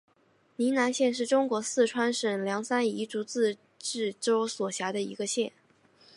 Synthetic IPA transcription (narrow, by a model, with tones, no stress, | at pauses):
ni˧˥na˧˥nɕjɛ˥˧nʂ̬ɻ̩˥˩ʈ͡ʂʊ˥ŋkwɔ˧˥sɹ̩˥˩ʈ͡ʂʰwa˥nʂə˨˩ŋljɑ˧˥ŋsa˥ni˧˥ʈ͡ʂu˧˥t͡sɹ̩˥˧ | ʈ͡ʂɻ̩˥˩ʈ͡ʂo˥ʊswɔ˨˩ɕja˧˥d̪ə˧ḭ˧˥ɡə˧ɕjɛ˥˩n